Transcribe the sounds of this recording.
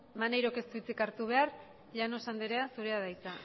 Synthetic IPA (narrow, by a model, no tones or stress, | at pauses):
manajɾo̞ke̞st̪uit͡sikaɾt̪uβ̞e̞ar | ʎano̞sand̪eɾeasuɾe̞að̞ajt͡sa